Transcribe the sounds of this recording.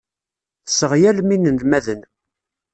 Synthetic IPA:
θsəʁjælminənlmæðən

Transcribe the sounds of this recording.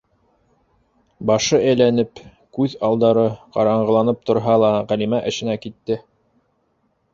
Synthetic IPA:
bɑʃɤæjlænɘp | kʉðɑlˠd̪ɑɾɤqɑɾɑɴɢɤ̆lˠɑnɤp̚t̪ŏɾɦɑlˠɑʁælimæʔɘ̆ʃɘ̆nækit̪ːɘ

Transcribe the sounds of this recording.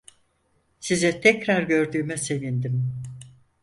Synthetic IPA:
sizɛt̪ʰɛcɾaɾɟø̞ɾd̪yːmɛse̞vind̪im

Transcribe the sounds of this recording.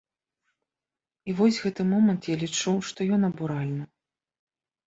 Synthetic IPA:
ivɔsʲɣɛt̪ɨmɔmɐnt̪jalʲit͡ʂuʂt̪ɔjɔnɐbuɾalʲnɨ

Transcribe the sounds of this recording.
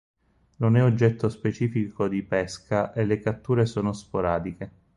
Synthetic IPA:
nonɛod͡ʒːɛt̪ːospet͡ʃiːfikʰod̪ipɛskaʔelːekat̪ːuːɾesoːnospoɾaːd̪ike

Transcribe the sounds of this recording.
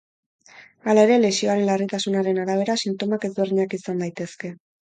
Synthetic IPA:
alae̞ɾe̞le̞sio̞aɾe̞nlarit̪asunaɾe̞naɾaβ̞e̞ɾasint̪o̞make̞zβe̞rðiɲakisand̪ajt̪e̞ske̞

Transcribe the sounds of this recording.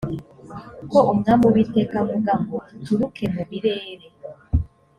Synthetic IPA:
koumŋambuwitekamuɡamɡotuɾukʰemuβiɾe̞ːɾe

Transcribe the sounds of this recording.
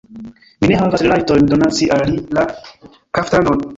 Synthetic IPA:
mine̞ɦavasɾelajtojndonat͡siʔalalila | kaftanon

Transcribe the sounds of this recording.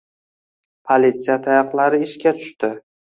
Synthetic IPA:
pʰolit̪sijat̪ʰajɑqlˠaɾɪɪʃkʲat̪ʰʊ̥ʃt̪ɪ

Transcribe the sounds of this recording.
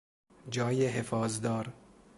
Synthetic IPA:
d͡ʒɒːjeɦefɒːzd̪ɒːɾ

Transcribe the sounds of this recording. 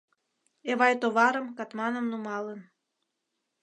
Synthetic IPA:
eβɑjt̪oβɑɾəmkɑt̪mɑnəmnumɑlən

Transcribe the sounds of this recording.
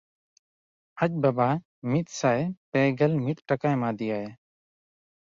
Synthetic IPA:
ac̚ˀbaba | mit̪̚sajpɛɡɛlmit̪̚ʈakajmad̪ijaja

